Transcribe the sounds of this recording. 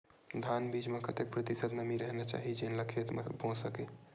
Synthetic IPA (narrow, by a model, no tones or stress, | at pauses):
d̪ʱanbid͡ʒmekət̪ek̚pɾət̪isəd̪məmiɾəɦnɛt͡ʃa̰ɦid͡ʒenləkʰet̪mbʱõsəke